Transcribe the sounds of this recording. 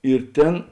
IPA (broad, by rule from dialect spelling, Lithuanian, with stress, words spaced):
ɪr ˈtʲeːn